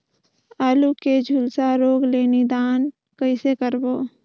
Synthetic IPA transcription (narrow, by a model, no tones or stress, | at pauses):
aːluked͡ʒʱulsaɾoːɡleːnid̪aːn | kəɪsekəɾboː